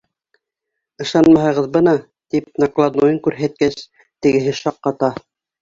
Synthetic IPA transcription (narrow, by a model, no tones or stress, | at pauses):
ɤ̆ʃɑnmɑɦɤ̆ʁɤðbɤnɑ | t̪ip̚nɑklˠɑd̪ujɤŋkʉɾɦæt̪̚kæs | t̪ɘ̆ɡɘ̆ɦɘʃɑqːɑt̪ɑ